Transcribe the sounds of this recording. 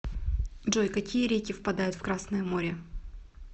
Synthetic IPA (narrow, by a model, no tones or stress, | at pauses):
dʐojkɐkʲijəɾʲekʲɪfpɐd̪ajʊt̪fkɾasnəjəmo̞ɾʲɪ